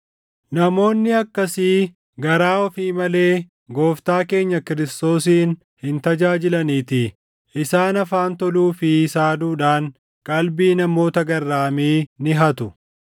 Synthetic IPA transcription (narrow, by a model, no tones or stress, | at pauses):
nɐmo̞ːnːɪɐkːɐsiː | ɡɐɾaːɔfiːmɐle̞ː | ɡo̞ːft̪aːke̞ːɲːɐkɪɾɪst̪o̞ːs̬iːn | hɪnt̪ɐd͡ʒaːd͡ʒɪlɐniːt̪ɪ | ʔɪsaːnɐfaːnt̪ɔluːfɪsaːd̪uːᶑaːŋ | kʼɐlbiːnɐmo̞ːt̪ɐɡɐrːaːmiːnɪɦɐt̪ʊ